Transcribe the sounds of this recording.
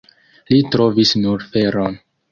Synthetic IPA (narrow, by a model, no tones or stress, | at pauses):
litɾo̞visnuɾfe̞ɾon